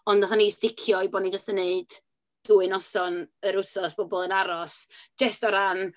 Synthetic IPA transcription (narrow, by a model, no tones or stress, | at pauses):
ɔndaθanistɪkʰjɔiboːdnid͡ʒəstənːeɨd̥ | d̥uɨnɔsɔnəɾʊsɔsb̥ɔbɔlˠənaɾɔsd͡ʒɛstɔɾan